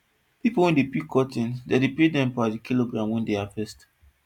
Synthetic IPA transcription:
pipowɛ̃ndepikʰːɔtĩndedepedɛ̃mpadikiloɡɹãmwɛ̃ndeafɛst

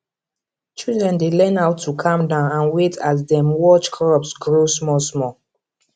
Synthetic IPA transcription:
t͡ʃildɹɛ̃ndelɛ̃naʊtʰːukʰãmdãʊ̃nãnwetʰas̬dɛ̃mwɔt͡ʃkʰɹɔpsɡɹosmɔlsmɔ

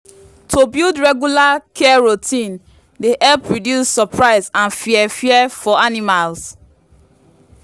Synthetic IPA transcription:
tʰobildɹɛɡjulakʰɛɛɹotʰĩn | deʔɛlpɹɔdjusːɔpɹaɪsãnfiɛfiɛfɔanimals

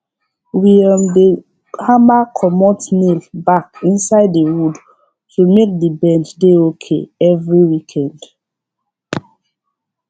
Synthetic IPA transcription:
wiamde | hãmakʰɔmɔtnilbakĩnsaɪdːəwud | tumek̚dibɛ̃nd͡ʒdeokʰḛɛvɹiwikʰɛ̃nd̥

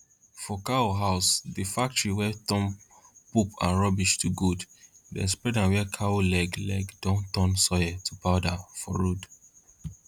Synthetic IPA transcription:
fɔkaoɦaʊsdifak̚tɹiwɛtɔ̃m | pupʰã̰nɹɔbiʃtuɡuddɛ̰spɹɛdãnwɛkʰaolɛɡlɛ̰ɡdɔ̃ntɔ̃nsɔjɛtʰupaʊdafɔ̰ɹod

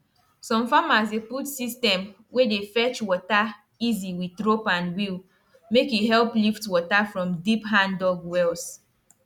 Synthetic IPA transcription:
sɔ̃mfamazeputsistɛ̃m | wedefɛt͡ʃwɔta | iziwiðɹopãnwil | mekiɦɛlˠpliftwɔtafɹɔ̃mdipɦãndɔɡwɛls

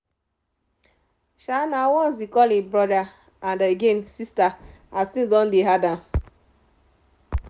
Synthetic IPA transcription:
ʃanawɔ̃ns̬ikɔlĩbɾɔda | andeɡensistaastĩzɔ̃n̩deɦada

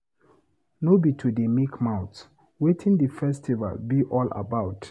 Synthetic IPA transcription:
nobitʰudəmikʰmãʊt | wetʰĩndəfɛstʰiva̰lbiʔɔla̰baʊt

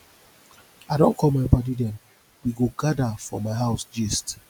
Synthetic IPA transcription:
aɪdõnkʰɔlmaɪbɔdidɛ̃m | wiɡoɡadafɹɔ̰maɪɦaʊsd͡ʒɛst

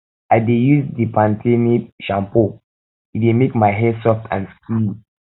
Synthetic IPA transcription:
aɪdejusdipʰãntʰeniʃãmpo | idemekmaɪɦɛsɔftʰã̰nskil

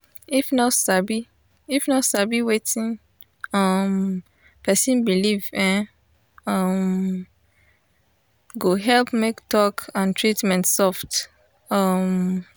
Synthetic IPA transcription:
ifnɔsabi | ifnɔtsabiwetĩn | ʌm | pɛsĩnbilivɛ̃ | ʌm | ɡoɦɛlpmektɔkãntʰɹitmɛ̃ntsɔft | ʌm

